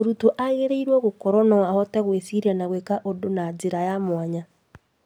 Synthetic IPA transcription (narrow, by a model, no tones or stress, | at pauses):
oɾutoʔaeɣeɾeiɾwɔɣokɔɾwɔnɔwahɔtɛɣwesiɾianaɣwekaʔodonad͡zeɾajamwaɲa